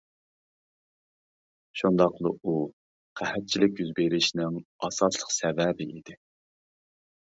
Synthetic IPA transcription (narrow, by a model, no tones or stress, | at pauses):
ʃund̪ɑqlˠəu | qʰæhɛt̪̚t͡ʃʰilɪkʲjyzbeɾɪʃnɪŋɑsɑslˠəqsɛvɛbɪid̪ɪ